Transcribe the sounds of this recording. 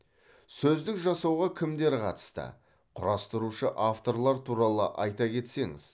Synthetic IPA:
sɵzd̪ɪkʒɑsɑwʁɑkʲʰɪmd̪e̞ɾqʰɑ̰t̪ə̥st̪ə̰ | qʰʊɾɑst̪əɾuʃəʔaft̪o̞ɾlˠɑɾt̪ʰuɾɑlˠəʔɑjt̪ɑkʲʰe̞t̪se̞ŋɪ̰z̥

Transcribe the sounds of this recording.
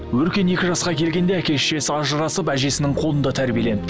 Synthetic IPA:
wɵɾkʲe̞ne̞kʲɪʒɑsqɑkʲʰe̞lɡʲe̞nd̪e̞ækʲe̞ʃe̞sɪɑʒəɾɑsəpæʒe̞sɪnɪŋqʰo̞lˠənd̪ɑt̪ʰæɾbijele̞nɪpt̪

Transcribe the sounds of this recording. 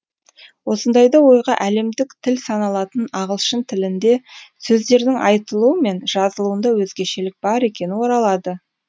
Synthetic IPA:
wo̞sənd̪ɑjd̪ɑwo̞jʁɑʔæle̞md̪ɪkt̪ʰɪlsɑnɑlˠɑt̪ənɑʁəlˠʃənt̪ʰɪlɪnd̪e̞sɵzd̪e̞ɾd̪ɪŋʔɑjt̪əlˠuəme̞nʒ̥ɑzəlˠuənd̪ɑwɵzɡʲe̞ʃelɪk̚bɑɾe̞kʲe̞nɪwo̞ɾɑlˠɑd̪ə

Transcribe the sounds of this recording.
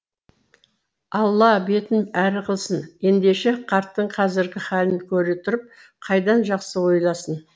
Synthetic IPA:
ɑlˠːɑbe̞t̪ɪnæɾɪqʰəlˠsənje̞nd̪e̞ʃe̞qʰɑɾt̪ːəɴqʰɑzɪɾɡʲɪχɑlɪnkʲʰɵɾet̪ʰʊɾəp̚ | qʰɑjd̪ɑnʒɑqsəwo̞jlˠɑsən

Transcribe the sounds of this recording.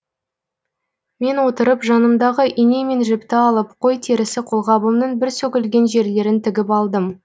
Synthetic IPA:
me̞nwo̞t̪əɾəpʒɑnəmd̪ɑʁəʔine̞me̞nʒɪpt̪ɪɑlˠəpqʰo̞jt̪ʰeɾɪsɪqʰo̞lˠʁɑbəmnəɴbɪɾsɵkʲɪlɡʲe̞nʒe̞ɾle̞ɾɪnt̪ʰɪɡʲɪpɑlˠd̪əm

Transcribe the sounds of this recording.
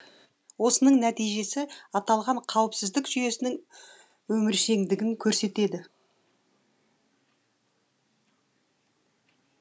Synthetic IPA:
wo̞sənəɴnæt̪ijʒe̞sɪɑt̪ɑlˠʁɑɴqʰɑwəpsɪzd̪ɪkʒ̥ʏje̞sɪnɪŋ | wɵmɪɾʃe̞ŋd̪ɪɡʲɪŋkʲʰɵɾse̞t̪e̞d̪ɪ

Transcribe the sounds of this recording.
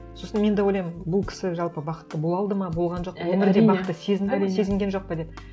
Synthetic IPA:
so̞sənme̞nd̪ewojlɑjmɪnbʊlˠkʲʰɪ̥sɪʒɑlˠpəbɑqə̥t̪ːəbo̞lˠɑlˠd̪əmɑbo̞lˠʁɑnʒo̞q̚ɑwɵmʲɪɾd̪eɑət̪ːəse̞zɪnd̪ɪse̞zɪŋɡʲenʒo̞q̚pɑd̪e̞p

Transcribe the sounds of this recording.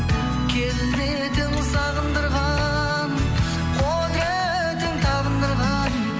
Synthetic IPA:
kʲʰezɪzd̪e | d̪ensɑʁənd̪əɾʁɑ | n | qʰod̪e | d̪ent̪ʰɑʁənd̪əɾʁɑ | n

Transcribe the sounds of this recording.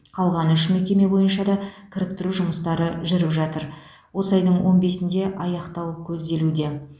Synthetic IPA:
qʰɑlˠʁɑnʏʃmekʲe̞me̞bo̞jənʃɑd̪ɑkʲʰɪɾɪp̚t̪ɪɾuʒʊməst̪ɑɾəʒʏɾɪpʒɑt̪əɾ | wo̞sɑjd̪əɴwo̞nbe̞sɪnd̪e̞ʔɑjɑqt̪ɑwəpkʲʰɵzd̪e̞lud̪e̞

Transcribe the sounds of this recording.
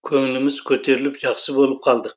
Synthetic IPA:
kʲʰɵŋlɪmɪz̥kʲʰɵt̪ʰe̞ɾɪlɪpʒɑχsɨbolˠəp̚qʰɑlˠd̪əq

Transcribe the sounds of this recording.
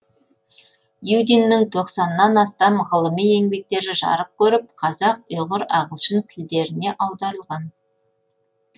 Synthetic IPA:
jud̪inːɪŋt̪ʰo̞qsɑnːɑnɑst̪ɑmʁəlˠəmije̞ŋbe̞k̚t̪e̞ɾɪʒɑ̰ɾəp̚kʲʰɵɾɪp̚qʰɑzɑq̚ojʁəɾɑʁəlˠʃəŋt̪ʲʰɪld̪e̞ɾɪne̞ʔɑwd̪ɑɾəlˠʁɑn

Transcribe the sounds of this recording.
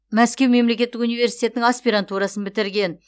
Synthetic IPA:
mæskʲe̞wme̞mle̞kʲe̞t̪ːɪkunijve̞ɾsijt̪e̞t̪nɪŋaspʲiɾant̪uɾɑsənbɪt̪ɪɾɡʲe̞n

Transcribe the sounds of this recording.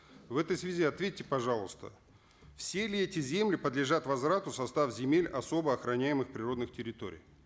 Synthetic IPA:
vɛt̪əjsvʲɪzʲiɐt̪vʲetʲːɪpɐʐɑlˠəst̪ə̰ | fsʲelʲɪɛtʲɪzʲe̞mlʲɪpəd̪lʲɪʐat̪vɐzvɾat̪ʊsɐst̪afzʲɪmʲelʲɐ̰so̞bəɐxɾɐnʲæjɪmɨxpɾʲɪro̞d̪nɨxtʲɪɾʲɪt̪o̞̰ɾʲɪ̰j

